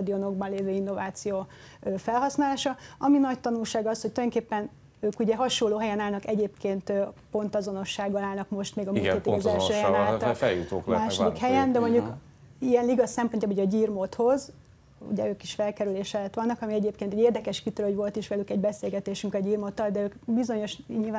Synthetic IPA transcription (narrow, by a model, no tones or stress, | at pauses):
d̪io̞no̞ɡ̚bɒnleːvøːinːo̞vaːt̪sijoː | øːfɛlɦɒsnaːlaːʃɒɒminɒct̪ɒnulʃaːɡɒshoct̪ojoŋkeːpːɛn | øːkuɟɛɦɒʃoloːɦɛjɛnaːlnɒkɛɟeːpkeːnt̪øpo̞nt̪ɒzo̞no̞ʃːaːɡːɒlaːlnɒkmo̞ʃt̪meːɡɒmuŋeːt̪izɛlʃøːhɛjɛːllɛjut̪o̰ːkmaːʃod̪ikhɛjɛnd̪ɛmoɲɟuk | ijɛnliɡɒsɛmpo̞ncjaːboojɟiːrmot̪ho̞z | ṵɟɛ̰øːkiʃfɛlkɛɾyleːʃɛlɛt̪ʋɒnːɒkɒmiɛɟeːpkeːnt̪uɟeːrd̪ɛkɛʃkit̪ɾølhoɟvo̞lt̪iʃʋɛlykɛɟbɛseːlɡɛt̪eːʃyŋkɒɟiːrmot̪ːɒld̪ɛøːkbizo̞ɲo̞ʃɲilvaː